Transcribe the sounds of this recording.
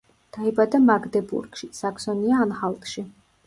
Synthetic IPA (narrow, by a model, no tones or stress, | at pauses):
d̪̥aibad̪amaɡd̪ɛbṵɾɡʃisaksɔniaːnχalˠt̪ʼʃi